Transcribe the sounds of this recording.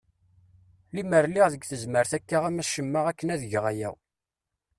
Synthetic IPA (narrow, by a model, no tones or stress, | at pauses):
liməɾliʁðəɡθəzməɾθækːaʁæmæʃəmːəʁækːənæðəʝʁæjæ̰w